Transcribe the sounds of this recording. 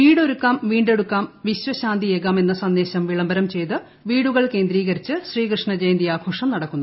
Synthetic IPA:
ʋiːɽo̞ɾukːaːmʋiːɳɖe̞ɽukːaːmʋiɕʋɐɕaːnd̪ʱijeːɣaːme̞nːɐsɐnd̪e̞ːɕɐmʋiɭɐmbɐɾɐmt͡ɕe̞jt̪ɨ | ʋiːɽuɣɐɭke̞ːnd̪ɾiːɣɐɾit͡ɕːɨɕriːkrɨʂɳɐd͡ʑejnd̪ijaːkʰoːʂɐmnɐɽɐkːunː

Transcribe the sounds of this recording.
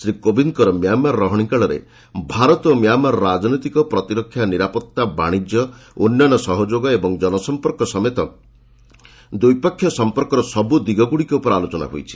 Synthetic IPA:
sɾikobiŋkɔɾɔmjamaɾɔːɔɦɔɽ̃ikaɭɔɾḛ | bʱaɾɔt̪ɔmjamaɾɔɾad͡ʒnɔjt̪ikɔpɾɔt̪iɾɔkʰːjaniɾapɔt̪ːaba̰ɽ̃id͡ʒjɔonːanɔsɔɦɔd͡ʒoɡɔebɔŋd͡ʒɔnɔsɔmpɔɾkɔsɔmet̪ɔ | d̪ujpakʰːjɔsɔmpɔɾkɔɾɔsɔbud̪iɡɔɡuɽikeupɔɾalot͡ʃɔna̰ɦo̰jt͡ʃʰi̥

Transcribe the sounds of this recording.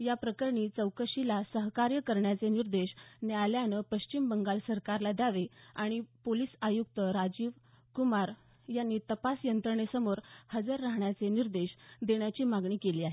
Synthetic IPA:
japɾəkəɾɳiːt͡səwkəɕilasəɦkaɾjəkəɾɳjat͡seniɾd̪eɕnjaljanəpəɕt͡ɕimbəŋɡalsəɾkaɾlad̪aʋeaɽ̃ipoliːsajukt̪əɾad͡ʑiːʋ | kumaɾ | janːiːt̪əpasjənt̪ɾəɳesəmoɾhəd͡zəɾːaɦɳjat͡seniɾd̪eɕd̪eɳjat͡ɕiːmaɡɳiːkeliːaɦe

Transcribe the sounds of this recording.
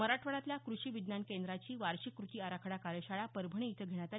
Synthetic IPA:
məɾaʈʰʋəɽat̪ljakɾuɕiːʋid̪nankend̪ɾat͡ɕiːʋaɾɕikːɾut̪iːaɾakʰəɽakaɾəɕaɭapəɾbʱəɳ̃iːt̪ʰəɡʱeɳ̃at̪a

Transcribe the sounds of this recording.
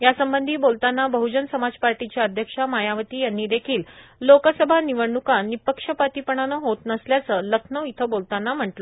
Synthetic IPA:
jasəmbənd̪ʱiːbolt̪anːabəɦud͡ʑənsəmad͡zpaɾʈit͡ɕjaəd̪ʱjəkʂamajaʋət̪iːjanːiːd̪ekʰiːlːokəsəbʱaniʋəɽɳukanːipəkʂəpat̪ipəɳ̃anəɦot̪nəsljat͡səːləkʰnəit̪ʰəbolt̪anːam̤əɳʈlə

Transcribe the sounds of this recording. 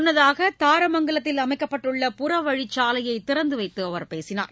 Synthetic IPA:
nːɐðaːɣɐt̪aːɾɐmɐŋɡɐɭɐt̪ːɪlɐmɐɪkːɐpːɐʈːɯɭːɐpʊrɐʋɐɻɪt͡ʃːaːlɐjɐɪt̪ːɪɾɐnd̪ɯʋɐɪt̪ːɯɐʋɐɾpeːsɪna̰ːɾ

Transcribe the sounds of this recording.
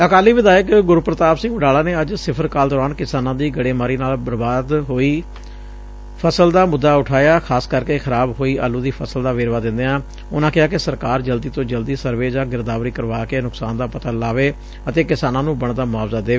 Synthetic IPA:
əkaːliːʋɪd̪aːjəkɡʊɾpɾət̪aːpsɪ̃ŋɡʊɖaːlaːneːəd͡ʒsɪpʰəɾkaːld̪ɔːɾaːnkɪsaːnãːd̪iːɡəɽeːmaːɾiːnaːlbəɾbaːd̪ɦoːiː | pʰəsəld̪aːmʊd̪ːaːʊʈʰaːjaːkʰaːskəɾkeːxʰəɾaːbɦoːiːʔaːluːd̪iːpʰəsəld̪aːʋeːɾʋaːd̪ɪ̃nd̪eːãː | ʊnãːkɪɦaːkɪsəɾkaːɾd͡ʒəld̪iːt̪õːd͡ʒəld̪iːsəɾʋeːd͡ʒãːɡɪɾd̪aːʋɾiːkəɾʋaːkeːnʊksaːnd̪aːpət̪aːlaːʋeː | ət̪eːkɪsaːnãːnũːbəɳd̪aːmʊaːʋzaːd̪eː

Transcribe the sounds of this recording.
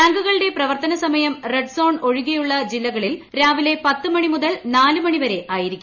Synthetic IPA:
t̪ɐŋɡuɣɐɭɨɽe̞prɐʋɐrt̪ɐnɐsɐmɐjɐmreɖso̞ːɳo̞ɻuɣijuɭːɐd͡ʑilːɐɣɐɭilɾaːʋile̞pɐt̪ːɨmɐɳimuðɐlnaːlɨmɐɳiʋɐɾe̞ʔaːjiɾikʲːum

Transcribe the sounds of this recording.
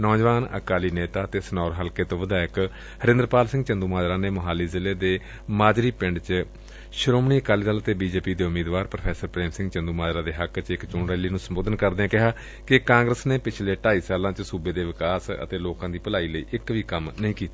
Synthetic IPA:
nɔːd͡ʒʋaːnə̰kaːliːneːt̪aːt̪eːsənɔːɾɦəlkeːt̪õːʋəd̪aːɪk | həɾẽnd̪əɾpaːlsɪ̃ŋɡt͡ʃənd̪uːmaːd͡ʒɾaːneːməɦaːliːzɪleːd̪eː | maːd͡ʒɾiːpɪɳɖt͡ʃ | ʃəɾoːmɳiːəkaːliːd̪aːlət̪eːbiːd͡ʒeːpiːd̪eːʊmiːd̪ʋaːɾpɾəpʰɛːsəɾpɾɛːmsɪ̃ŋɡt͡ʃə̃nd̪uːmaːd͡ʒɾaːd̪eːɦəkt͡ʃɪkt͡ʃõːɳɾɛːliːnũːsəmboːd̪ənkəɾd̪eːãːkɪɦaː | kɪkãːŋɡɾəsneːpɪt͡ʃʰleːʈaːiːsaːlãːt͡ʃsuːbeːd̪eːʋɪkaːsə̰t̪eːloːkãːd̪iːpəlaːiːləḭːʔɪkʋiːkəmnəɦĩːkiːt̪a

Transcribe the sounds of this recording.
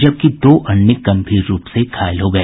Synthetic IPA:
d͡ʒɐb̚kid̪oːʔɐnːɪkːɐ̃mpʰiɾɾuːpsekʰaːɪlɦoɡɐeː

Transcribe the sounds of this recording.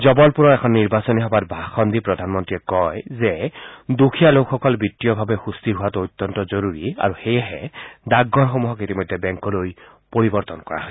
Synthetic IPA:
zɔbɔlpuɹɔɛkʰɔnːiɹbasɔniɦɔbatbʱaxɔndipɹɔdʱanmɔntɹiɛkɔjzɛdukʰijalokʰxɔkɔlbitːijɔbʱabɛxustiɹɦuwatojt̪ːɔntɔzoɹuɹia̰ɹuxejɛɦɛdaɡːɔnxomuɦɔkitimɔjdʱɛbɛŋkɔloj | poɹibɔɹt̪ɔnkɔɹa̰ɦɔ

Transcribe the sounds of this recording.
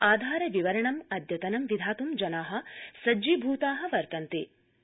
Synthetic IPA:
aːd̪ʱaːɾɐʋiʋɐɾɐɳɐmɐd̪ʱjɐt̪ɐnɐmʋid̪ʱaːt̪umd͡ʒɐnaːɦɐ̆sɐd͡ʒibʱuːt̪aːɦɐ̆ʋɐɾt̪ɐnt̪i

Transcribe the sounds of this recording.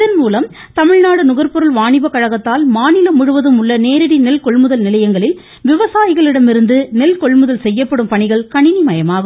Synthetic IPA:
ɪðɐnmuːlɐm | t̪ɐmɪɻnaːɽɯnʊɣɐɾpɔɾɐlʋaːɳɪbɐkːɐɻɐɣɐt̪ːaːlmaːnɪlɐmʊɻɯʋɐðɯmʊɭːɐneːɾɪɽinɛlkɔɭmɯðɐlnɪlɐjɐŋɡɐɭɪl | ʋɪʋɐsaːjɪɣɐɭɪɽɐmɪɾɯnd̪ɯnɛlkɔɭmɯðɐlsɛjːɐpːɐɽɯmpɐɳɪɣɐɭkɐɳɪnimɐjɐmaːɣɯ

